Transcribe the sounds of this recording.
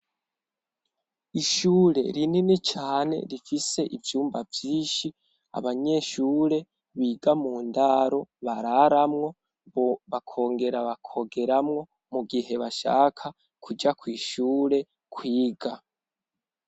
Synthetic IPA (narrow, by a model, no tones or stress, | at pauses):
iʃuːɾe̞̰ɾininit͡ʃaːne̞̰ɾifise̞ʔivjuːmbavjiːnʃi | a̰βaɲe̞ʃuːɾe̞ | βiːɡamuːndaɾo̞βaɾaɾamŋo̞ | boβakʰo̞ːŋɡe̞ɾaβakʰo̞ɡe̞ɾamŋo̞ | muɡihe̞βaʃa̰ːkʰa | kʰud͡ʒakwiːʃuːɾe̞ | kwiːɡa